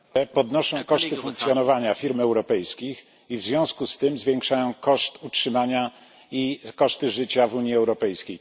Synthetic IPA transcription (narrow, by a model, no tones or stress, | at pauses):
ɛpɔd̪nɔʂɔ̃w̃kɔʂt̪ɘfuŋkt̪sʲjɔnɔvaɲafʲiɾmɛwɾɔpɛjskʲix | ivzvʲjɔ̃skust̪ɘmzvʲjeŋkʂajɔ̃w̃kɔʂt̪utʂɘmaɲa | ikɔʂt̪ɘʐɘt͡ɕavuɲiɛwɾɔpɛjskʲej